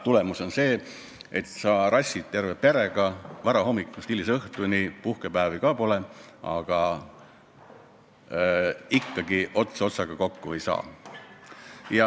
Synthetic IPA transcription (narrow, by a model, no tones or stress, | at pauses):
t̪ule̞muso̞nse̞ː | et̪sɑːɾʔɑsʲːit̪t̪ːerve̞peɾe̞ɡ̥ɑvɑɾɑho̞mːikːˑust̪ilːiseɤht̪unipuhke̞pæːvikɑpo̞le̞ʔɑ̰ɡ̥ɑ | ikːɑɡiʔo̞t̪seo̞t̪sɑɡ̥ɑko̞kːuejsɑ̰ː | jɑ